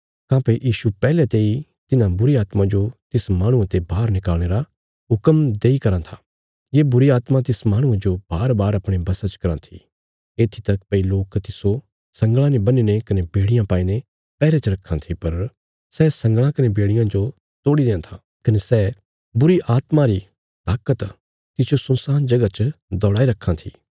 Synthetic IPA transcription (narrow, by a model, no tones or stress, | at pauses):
kãːpejiːʃupɛːlet̪eːi | t̪ɪnãbʊɾiaːt̪mãd͡ʒot̪ɪsmãːɽ̃ʊ̃ãt̪ebʱaːɾnɪkaːlɽ̃eːɾa | ɦʊkəmd̪eːikɐɾãt̪ʰa | jebʊɾiaːt̪mãt̪ɪsmaːɽ̃ʊ̃ẽd͡ʒob̥aːɾbaːɾɐpɽ̃ebɐsat͡ʃkɐɾãt̪ʰḭ | eːt̪ʰit̪ɐkpɛiloːkt̪ɪso | sɐ̃ŋɡɭ̃ãnebɐniːnekɐnebeːɽɪjãpaːine | pɛːɾet͡ʃɐɾɐkʰːãt̪ʰipɐɾ | sɛsɐ̃ŋɡɭ̃ãkɐnebeːɽɪjãd͡ʒo | t̪oːɽid̪ẽːãt̪ʰa | kɐnesɛː | bʊɾiʔaːt̪maɾi | t̪aːkət̪ | t̪ɪsjosʊ̃nsaːnd͡ʒɐɡat͡ʃəd̪ɔːɽaːiɾɐkʰːãt̪ʰḭː